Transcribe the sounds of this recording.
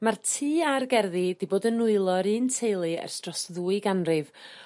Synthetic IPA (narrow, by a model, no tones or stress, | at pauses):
martʰiːarɡɛrðid̥iboːdənʊɨlˠɔɾɨːntʰejlˠɨɛ̰rstrɔsðuːɨɡanrɨv